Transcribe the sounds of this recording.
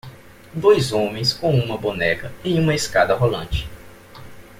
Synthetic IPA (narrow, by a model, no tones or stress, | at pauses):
d̪ojzõmẽj̃skõw̃ũmɐbonɛkɐejũmɐeskad̪ɐɦolɐ̰̃t͡ʃɪ̥